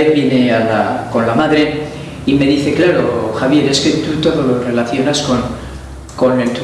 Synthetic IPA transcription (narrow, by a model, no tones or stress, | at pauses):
eθβje̞ne̞ala̰ko̞nlamaðɾe̞ | ime̞ðiθe̞klaɾoxaβje̞ɾe̞ske̞t̪ut̪o̞ðo̞lore̞laθjo̞nasko̞n | ko̞ne̞lt̪u